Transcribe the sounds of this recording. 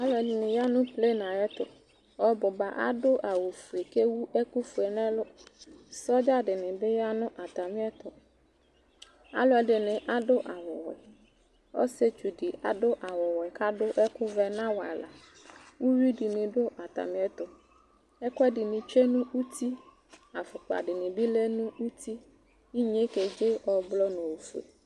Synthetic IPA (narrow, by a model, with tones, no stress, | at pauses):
a˦lʊ˦ɛ˨dɪ˨nɪ̃˨ja˦nʊ̃˦ple˦nã˨jɛ˦t̪ʊ̰˨ | ɔ˨bʊ˨ba˨ʔa̰˦dʊ˦ʔa˨wo˨fu˨e˨ke˦wu˦ʔɛ˦ku˦fu˨ɛ˨nɛ̃˦lʊ˦sɔ˦d͡ʒa˦dɪ˨nɪ̃˨bɪ˦ja˦nʊ̃˦ʔa˨t̪a˨mɪ̃˦ɛ˦t̪ʊ˨ | a̰˦lʊ˦ɛ˨dɪ˨nɪ̃˨ʔa˦dʊ˦ʔa˨wɔ˨wɛ˨ | ɔ̰˦se˦t͡ʃu˨dɪ˨a̰˨dʊ˦ʔa˨wɔ˨wɛ˨ka˦dʊ˦ʔɛ˦kʊ˦vɛ˦nã˦wa̰˨la˨ | wu˦wi˦di˨nɪ̃˨dʊ˦ʔa˨t̪a̰˨mɪ̃˦ɛ˦t̪ʊ˨ | ɛ˦kʷɛ˦dɪ˨nɪ̃˨t͡ʃe˦nũ˦u˦t̪ʰi˦ | a˨fʊ˨k͡pa̰˨dɪ˨nɪ̃˨bɪ˦le˦nũ˦u˦t̪ʰi˦ | i˦ɲe˦ke˨d͡ʒɪ˦ɔ˨blɔ˦nõ˨wo˨fu˨ḛ˨